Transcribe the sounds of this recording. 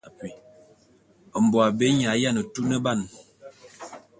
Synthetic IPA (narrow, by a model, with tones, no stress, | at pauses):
a˨pi˨ | ə˨m̩˨bɔ˨a˨be˨˦ɲa˨˦ja˦˨nə˨tu˦nə˦ba˦˨n